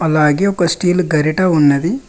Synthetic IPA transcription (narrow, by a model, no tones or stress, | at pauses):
ɐlːaːɡeːɔkɐsʈiːlɡɐɾiʈɐunːɐd̪i